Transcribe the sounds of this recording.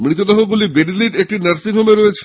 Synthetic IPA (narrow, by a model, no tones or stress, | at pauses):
mɾit̪od̪ɔɦoɡulibeɖiliʈek̚ʈinɐɾsid̪ʱomeɾojet͡ɕʰ